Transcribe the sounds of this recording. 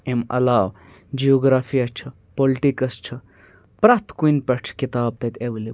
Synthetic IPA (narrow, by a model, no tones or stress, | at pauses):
emɐ̰laːw | d͡ʒijoːɡɾaːfʰijat͡ʃʰɐ | polʈikɐst͡ʃʰɐ | pɾat̪kuinpet͡ʃʰkit̪aːb̚t̪ɐt̪ʰeʋɐli